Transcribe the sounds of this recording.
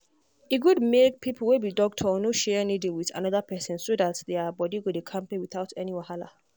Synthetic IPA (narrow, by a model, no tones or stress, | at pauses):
iɡudmek̚pʰipʰl̩webidɔk̚tʰɔɔnoʃɛnidĩŋwiθa̰nɔðapʰɛsɪ̃nsoðatdeabɔdiɡodekʰãmpewiθaʊtʰɛniwahala̰